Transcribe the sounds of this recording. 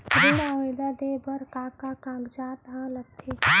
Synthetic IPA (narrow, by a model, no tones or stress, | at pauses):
ɾɪlãʋẽd̪ad̪ebəɾkaːkakãːmd͡ʒaːt̪ɦãlət̪ʰːe